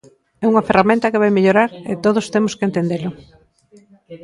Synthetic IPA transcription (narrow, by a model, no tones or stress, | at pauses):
ɛuŋɐferamẽnt̪ɐkeβ̞ajmeʎoɾaɾḛt̪oðʊst̪emʊskent̪end̪elʊ